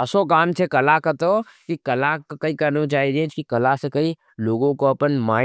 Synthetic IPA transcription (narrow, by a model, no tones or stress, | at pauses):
ɐsokaːmt͡ʃʰekɐlakɐt̪o | kikɐlakkɐikɐɾnot͡ʃaːid͡ʒẽt͡ʃkikɐlasekɐi | loːɡõkoɐpənmaː